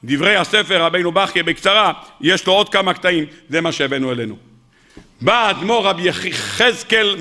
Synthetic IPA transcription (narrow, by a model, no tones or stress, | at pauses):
d̪ivʁejhasefeʁːabejnubaχjebekt͡saʁajeʃlo̞o̞d̪̚kamakt̪aimzemaʃeavenuelenu | baːd̪mo̞ʁabjeχiχezkel